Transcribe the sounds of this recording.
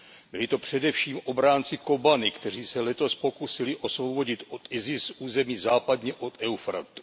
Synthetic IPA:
bɪlɪt̪o̞pr̝̥ɛdɛfʃiːmʔo̞bɾaːnt͡sɪko̞banɪkt̪ɛr̝iːsɛlɛt̪o̞spo̞kusɪlɪʔo̞svo̞wbo̞ɟɪt̪ot̪ɪzɪsʔuːzɛmiːzaːpadɲɛʔo̞t̪ɛwfɾat̪u̥

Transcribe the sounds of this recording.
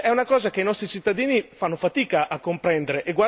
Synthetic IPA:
ɛunakɔːzakeinɔst̪ɾit͡ʃit̪ːad̪iːnifanːofat̪iːkaʔakːompɾɛnd̪eɾeʔeɡwa

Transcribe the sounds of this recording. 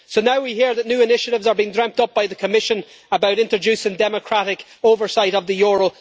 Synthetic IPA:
soʊnaʊwiɦiɹðətⁿnjʉːɪnɪʃəɾɪvzə˞biɪ̃ŋdɹɛ̃mp̚tʌp̚b̥aɪðəkʰəmɪʃə̃n | əbaʊɾɪ̃ntɹ̥əd͡ʒʉsɪ̃ŋdɛməkʰɹ̥aɾɪk | oːvə˞saɪɾəvðəjɔɹəlˠ

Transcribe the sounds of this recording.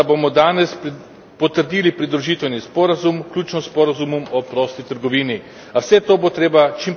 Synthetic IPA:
abomɔd̪aːnɛs | pɔt̪əɾd̪iːlipɾid̪ɾuʒiːt̪ʋɛwnispɔɾazumklʲuːt͡ʃnɔspɔɾazumɔmɔpɾɔːst̪it̪əɾɡɔʋiːni | awsɛt̪oːbot̪ɾeːbat͡ʃim

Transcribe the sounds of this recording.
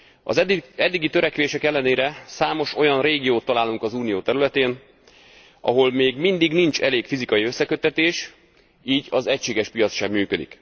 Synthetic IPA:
ɒ̰zɛd̪ːiɡit̪ø̞ɾɛkʋeːʃɛkɛlːɛneːɾɛsaːmo̞ʃo̞jɒnreːɡijoːt̪ːɒlaːluŋkɒzuːnijoːt̪ɛɾylɛt̪eːn | ɒ̰ɦo̞lmeːɡmind̪iɡnint͡ʃɛleːkfizikɒjiø̞sːɛkø̞t̪ːɛt̪eːʃ | iːɟɒzɛcʃeːɡɛʃpijɒt̪sʃɛmːyːkø̞d̪ḭk

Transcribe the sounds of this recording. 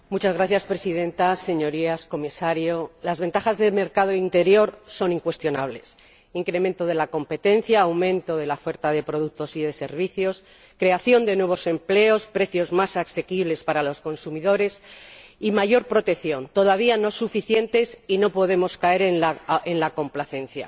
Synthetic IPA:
mut͡ʃazɣɾaθjaspɾe̞siðẽ̞nt̪aseɲo̞ɾiasko̞misaɾjolazβe̞nt̪aχazðe̞me̞ɾkað̞o̞int̪e̞ɾjo̞ɾso̞niŋkwe̞st̪jo̞naβ̞le̞s | iŋkɾe̞ment̪o̞ðe̞lako̞mpe̞t̪e̞nθjaːwmẽ̞nt̪o̞ðe̞lafe̞ɾt̪aðe̞pɾo̞ð̞uk̚t̪o̞siðe̞se̞̰ɾβ̞iθjo̞s | kɾe̞aθjo̞nd̪e̞nwe̞βo̞se̞mple̞o̞spɾe̞θjo̞zmasakse̞kiβle̞spaɾalo̞sko̞nsumiðo̞ɾe̞simaʝo̞ɾpɾo̞t̪e̞kθjo̞nt̪o̞ðaβ̞iano̞sufiθje̞nt̪e̞sino̞po̞ðe̞mo̞skae̞ɾenlaenlako̞mplaθẽ̞nθja̰

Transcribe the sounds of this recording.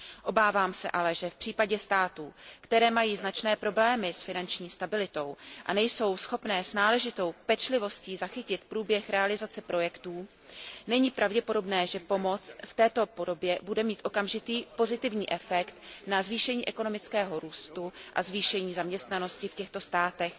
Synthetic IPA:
ʔo̞baːvaːmsɛ̰ʔalɛʒɛfpr̝̥iːpaɟɛst̪aːt̪uːkt̪ɛɾɛːmajiːznat͡ʃnɛːpɾo̞blɛːmɪsfɪnant͡ʃɲiːst̪abɪlɪt̪o̞wʔanɛjso̞wsxo̞pnɛːsnaːlɛʒɪt̪o̞wpɛt͡ʃlɪvo̞sciːzaxɪcɪt̪pɾuːbjɛxɾɛalɪzat͡sɛpɾo̞jɛkt̪uː | nɛɲiːpɾʔavɟɛpo̞do̞bnɛːʒɛpo̞mo̞t͡sft̪ɛːt̪o̞po̞do̞bjɛbudɛmiːt̪ʔo̞kamʒɪt̪iːpo̞zɪt̪ɪvɲiːʔɛfɛkt̪nazviːʃɛɲiːʔɛkono̞mɪt͡skɛːɦo̞ɾuːst̪uʔa̰zviːʃɛɲiːzamɲɛst̪nano̞scɪfcɛxt̪o̞st̪aːt̪ɛx

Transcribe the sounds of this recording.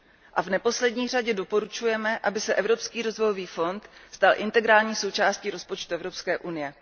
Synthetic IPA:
ʔavnɛpo̞slɛdɲiːr̝aɟɛdo̞po̞ɾut͡ʃujɛmɛʔabɪsɛʔɛvɾo̞pskiːɾo̞zvo̞jo̞viːfo̞nt̪st̪alʔɪnt̪ɛɡɾaːlɲiːso̞wt͡ʃaːsciɾo̞spo̞t͡ʃt̪uɛvɾo̞pskɛːʔunɪjɛ

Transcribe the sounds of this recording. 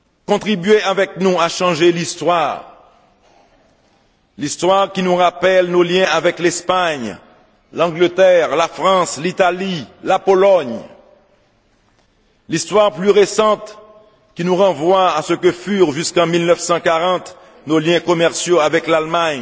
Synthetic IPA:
kɔ̃t̪χibɥeavɛk̚nuaʃɑ̃ʒelist̪waːʁ | list̪waʁkʲinuʁapɛlnoljɛ̃avɛklɛspaɲ | lɑ̃ɡlət̪ɛʁlafχɑ̃slit̪alilapɔlɔɲ | list̪waʁplyʁesɑ̃t̪ | kʲinuʁɑ̃vwaːsəkəfyʁʒyskɑ̃milnœfsɑ̃kaʁɑ̃t̪ | noljɛ̃kɔmɛʁsjoavɛklalmaɲ

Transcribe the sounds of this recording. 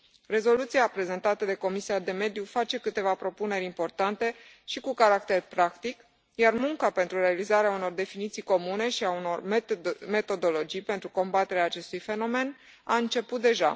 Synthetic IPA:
re̞zo̞lut̪siapɾe̞ze̞nt̪at̪əd̪e̞ko̞misiad̪e̞me̞d̪jufat͡ʃe̞kɨt̪e̞vapɾo̞pune̞ɾʲimpo̞rt̪ant̪e̞ | ʃikukaɾak̚t̪e̞rpɾakt̪ik | jarmuŋkape̞nt̪ɾuɾe̞alizaɾeauno̞rd̪e̞finit̪sijko̞mune̞ʃiauno̞̰rme̞t̪o̞d̪o̞lo̞d͡ʒijpe̞nt̪ɾuko̞mbat̪e̞ɾeaːt͡ʃe̞st̪ujfe̞no̞me̞n | aɨnt͡ʃe̞put̪̚d̪e̞ʒa̰

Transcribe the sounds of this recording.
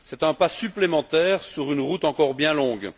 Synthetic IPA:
sɛt̪ɛ̃pasyplemɑ̃t̪ɛːʁsyʁynʁut̪ɑ̃kɔʁbjɛ̃lɔ̃ɡ

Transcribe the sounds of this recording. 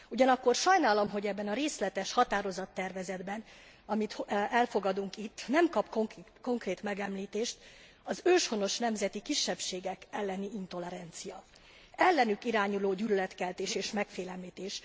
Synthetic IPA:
uɟɒnɒkːo̞rʃɒjnaːlɒmɦo̞ɟɛbːɛnɒɾeːslɛt̪ɛʃhɒt̪aːɾo̞zɒt̪ːɛrvɛzɛd̪bɛn | ɒmit̪hɛlfo̞ɡɒd̪uŋkit̪ːnɛmkɒpkoŋko̞ŋkreːt̪mɛɡɛmliːt̪eːʃt̪ | ɒzøːʃho̞no̞ʃnɛmzɛt̪ikiʃːɛpʃeːɡɛkɛlːɛniint̪o̞lɛɾɛnt̪sijɒ | ɛlːɛnykiɾaːɲuloːɟyːlylɛt̪kɛlt̪eːʃeːʃmɛkfeːlɛmliːt̪eːʃ

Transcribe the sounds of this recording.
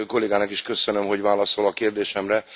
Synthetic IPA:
ko̞leːɡaːnɒkiʃkø̞sønømɦo̞ɟvaːlɒso̞lɒkeːrd̪eːʃɛmrɛ

